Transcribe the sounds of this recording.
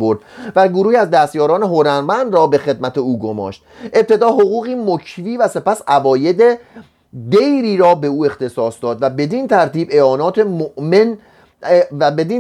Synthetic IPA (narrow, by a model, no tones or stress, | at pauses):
boɾd̪̥væɡoɾuːhiæzd̪æst̪jɒːɾɒːne̞ɦoɾæɾmænd̪rɒːbe̞xe̞d̪mæt̪ʰeuːɡomɒ̰ːʃt̪̚ʔe̞p̚t̪ʰe̞d̪ɒːɦoɣuːɣiːmocʰviːvæse̞pæsævɒːje̞d̪e | d̪e̞jɾiːɾɒːbe̞uːe̞xt̪ʰe̞sɒːsd̪ɒːd̪væbe̞d̪int̪ʰæɾt̪iːbeɒːnɒːt̪ʰemoʔmen | væbe̞d̪in